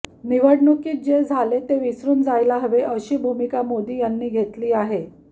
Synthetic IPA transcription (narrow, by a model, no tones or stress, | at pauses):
niʋəɽɳukiːt̪̚d͡ʑed͡zʱalet̪eʋisɾuːnd͡zajlaɦəʋeʔəɕiːbʱumikamod̪ʱiːjanːiːɡʱet̪liːaɦe